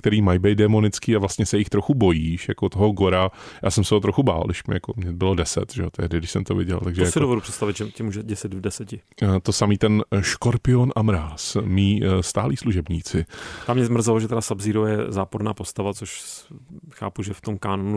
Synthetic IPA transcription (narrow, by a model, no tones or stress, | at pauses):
kt̪ɛɾiːmajbejt̪̚dɛmo̞nɪt͡skiːavlast̪ɲɛsɛjɪxt̪ɾoxubo̞jiːʃjakot̪oɦoɡo̞ɾajʔaːsɛmsɛɦot̪ɾoxuba̰ːldɪʃmjakomɲɛbɪlo̞dɛsɛ̰t̪ʒɛot̪ʰɛɦdɪdɪʃsɛmt̪ovɪɟɛ̰lt̪aɡʒɛjasɪdovɛdupr̥ɛt̪st̪avɪt̪ʒɛcɛmuːʒɛɟɛsɪd̪vdɛsɛcɪt̪osamiːt̪ɛnʃkoɾpɪonʔamɾaːsmiːst̪aːliːsluʒɛbɲiːt͡sɪt̪amɲɛmr̩zaloʒɛt̪ɛdasabziːɾowjɛ̰zaːpoɾnaːpost̪avat͡soʃ | xa̰ːpuʒɛft̪omkaːnonu